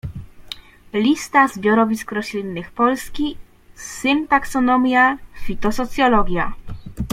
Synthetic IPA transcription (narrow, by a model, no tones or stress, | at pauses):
lʲist̪azbʲjɔɾɔvʲiskɾɔɕlʲinːɘxpɔlskʲi | sɘnt̪aksɔnɔmʲjafʲit̪ɔsɔt̪sʲjɔlɔɡʲja